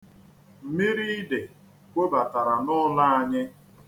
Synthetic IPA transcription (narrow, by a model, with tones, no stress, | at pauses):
m̩˨mi˦ɾi˦i˦de˨ | kʷe˦ba˨ta˨ɾa˨nʊ˦la˦a˦ɲɪ˦